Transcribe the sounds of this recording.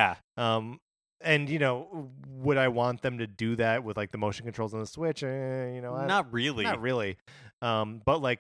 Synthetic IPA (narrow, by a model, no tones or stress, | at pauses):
æ | ʌ̃m | ɨ̃njɨnoʊwəɾaɪwɑ̃nðɨ̃mtɨdɨðæt̚wəðlaɪk̚ðɨmoʊʃn̩kntɹ̥oʊlˠzn̩ðəswɪt͡ʃɨ̃jɨnoʊaɪnət̚ɹɪlˠiət̚ɹɪlˠiʌ̃mb̥ʌtˡlaɪk̚